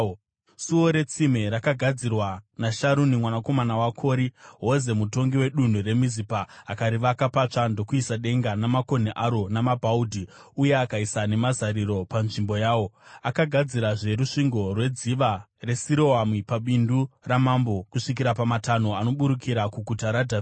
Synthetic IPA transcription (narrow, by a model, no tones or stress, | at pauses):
suwo̞ɾe̞t͡simeɾakaɡʱad͡zirwanaʃaɾunimwanako̞manawakʰo̞ːɾiɦoze̞muto̞ŋɡiwe̞ɗun̤ure̞mizipaːkaɾiʋakapat͡ʂando̞kuisaɗe̞ŋɡanamako̞neʔaɾo̞namabʱaudʱi | uje̞akaisane̞mazaɾiɾo̞panʐimbo̞jaːwo̞akaɡʱad͡ziɾaʐe̞ɾuʂiŋɡo̞rwe̞d͡ziʋa | re̞siɾo̞amwipaɓinduramambo̞kuʂik̬iɾapamatano̞ano̞ɓuɾukʰiɾakuɡʱutaɾadʱai